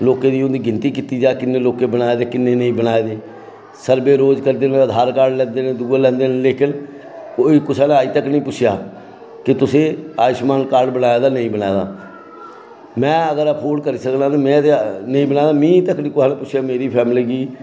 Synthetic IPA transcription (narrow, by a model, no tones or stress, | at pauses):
loːkeːd̪iːʊnd̪iːɡɪnt̪iːkiːt̪iːd͡ʒaːkɪnːeːloːkeːbənaːeːd̪eːkɪnːeːnəĩːbənaːeːd̪eː | səɾbeːɾoːd͡ʒkəɾd̪eːnẽːəd̪ʱaːɾkaːɖlɛ̃ːnd̪eːnẽːd̪uːlɛ̃ːnd̪eːnːleːkʰən | koːiːkʊsaːnẽaːiːt̪əknəĩːpʊt͡ʃʰja̰ː | kɪt̪ʊsẽːaːɪʃmaːnkaːɾɖbənaːjaːd̪aːnəĩːbənaːjd̪a̰ː | mɛ̃ːəɡəɾapʰoːlkəɾiːsəknãːt̪aːmɛ̃ːt̪enəĩbənaːd̪aːmĩːt̪əknĩːkʊsaːnẽːpʊt͡ʃʃʰjaːmeːɾiːpʰɛːmliːɡiː